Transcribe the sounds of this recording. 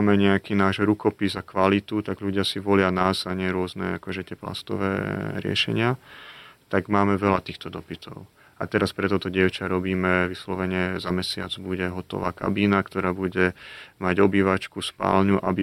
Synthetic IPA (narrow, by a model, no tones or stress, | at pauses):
mɛɲɛakiːnaːʒɾukɔpizakʋalit̪ut̪aɡʎuɟɪasiʋɔlɪanaːzaɲɪɛɾʊɔznɛ̰a̰kɔʒɛt̪ɪɛpla̰st̪ɔ̰ʋɛ̰ːɾɪɛ̰ʃɛ̰ɲɪa | t̪aɡmaːmɛʋɛlat̪iːxt̪ɔd̪ɔpit̪ʰɔ̰ʊ | a̰t̪ɛɾaspɾɛt̪ɔt̪ɔɟɪɛʊt͡ʃaɾɔbiːmɛʋislɔʋɛɲɛzamɛsɪa̰d͡zbuɟɛɦɔt̪ɔ̰ʋaːka̰biːnakt̪ɔɾaːbuɟɛmaɟɔbiːʋat͡ʃkuspa̰ːlɲuʔa̰bi